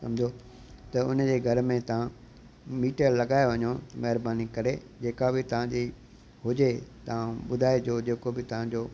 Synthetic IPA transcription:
sɐ̰̃md͡ʑo | t̪ɐʊnd͡ʑeːɡʱɐɾmẽt̪ɐʋ̤ã | miːʈəɾlɐɠaːeʋɐɲomɐɦɪɾbaːnikɐɾe | d͡ʑeːkabɪt̪ɐʋ̤ãd͡ʑi | ɦʊd͡ʑet̪ɐʋ̤ãɓʊd̪ʱaːed͡ʑoːd͡ʑeːkobɪt̪ɐʋ̤ãd͡ʑoː

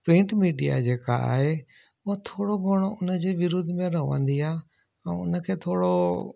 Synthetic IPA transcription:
pɾɪ̃ːɳʈmiːɖija̰d͡ʑeːka̰a̰ːɦe | ʊɦot̪ʰoːɽobʱoɽ̃oʊnə̆d͡ʑeːʋɪɾʊd̪ʱmẽɾɐɦʋə̰̃nd̪iaː | ɛ̃ːʊnə̆kʰeːt̪ʰoːɽo

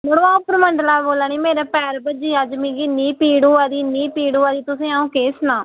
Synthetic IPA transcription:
məɽõaːpəɾməɳɖəlaːboːlaːniːmeːɾaːpɛːɾbəd͡ʒiːad͡ʒmĩːɡɪnːiːpiːɽuːad̪iːniːpiːɽuːad̪iːt̪ʊsẽːaːũːkeːsnãː

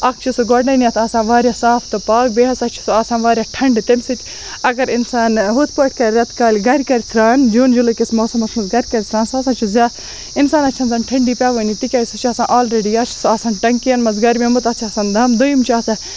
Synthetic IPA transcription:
ɐkt͡ʃʰusuɡɔɖnɐniɐt̪ʰɐːsãːnʋaːɾʲjaːsãːpʰt̪opaːk̚beːɦɐsɐk̚t͡ʃʰu̥suaːsãːnʋaːɾʲjaːʈʰɐɳɖt̪emʲsɨt̪ʲ | ɐɡɐɾɪnsaːnɦut̪̚ʰpoʈʰʲkɐɾɾɐt̪ʰkaːlʲɡɐɾʲkɐɾʲt̪ʰɾaːnd͡ʒuːnd͡ʒulɐkʲismoːsɐmɐt̪ʰmɐsɡɐɾʲkɐɾʲit̪ʰɾãːnsɐːsãːt͡ʃʰuzʲaː | ɪnsaːnɐt͡ʃʰɐnzɐnʈʰɐɳɖiːpʲaːʋoːnit̪ikʲaːjsut͡ʃʰɐsãːʔaːlɾeɖiːɐt͡ʃʰu̥soaːsãːnʈɐŋkiɐnmɐzɡɐɾmemut̪ɐt̪t͡ʃʰɐːsaːnd̪ʱɐmd̪ojimt͡ʃʰaːsɐ̃

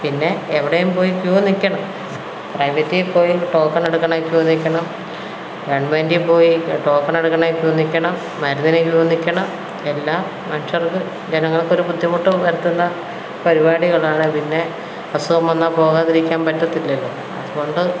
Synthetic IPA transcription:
pinːe̞ːʋiɽejumpo̞ːjikjuːɐnːikʲːɐɳɐm | prɐjʋɐtːijpo̞ːjiʈo̞ːkːɐneɽukːɐɳːkjuːʋɐnːikʲːɐɳɐm | ɾeɳɖmeːndipo̞ːjiʈo̞ːkːɐneɽukːɐɳajkjuːɐnːikʲːɐɳɐmːɐɾunɐnekjuːʋɐnːikʲːɐɳɐm | e̞lːaːmːɐnʂɐrðɨ | d͡ʑenɐŋːɐɭkːo̞ɾubud̪ʱːjɐmuʈːɨʋɐɾɐt̪ːunːɐ | pɐɾibaːɽiɣɐɭaːɳɨpinːe̞ | pɐsuʋɐmʋɐnːapo̞ːɣaːðiɾikʲːaːmpɐtːɐt̪ːilːɐlːo̰ː | ɐ̰ðuɣo̞ɳɖɨ

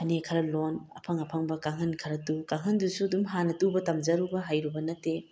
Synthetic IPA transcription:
ɐnekʰɐɾɐlonɐ̰pʰɐŋɐpʰɐŋbɐkaŋhɯnkʰɐɾɐtukaŋɯndusuɐdumɦanɐtubɐtamd͡ʒɐɾubɐɦajɾubɐnɐtːe

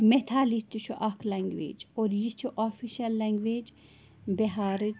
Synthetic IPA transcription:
met̪ʰaːlit̪iʃʰuʔɐkʰlɐŋɡʋḛːd͡ʒoːɾjit͡ʃʰuʔoːfiʃɐlːɐŋɡʋeːd͡ʒ | beɦaːɾ

